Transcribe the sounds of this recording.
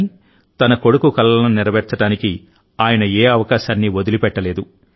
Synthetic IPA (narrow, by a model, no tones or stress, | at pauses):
t̪ɐnɐko̞ɽukukɐlːɐnɐniɾɐʋɛɾt͡ʃɐɽaːniki | aːjɐnɐeːɐʋɐkaːʃaːnːiʋod̪ulipɛʈːɐle̞ːd̪u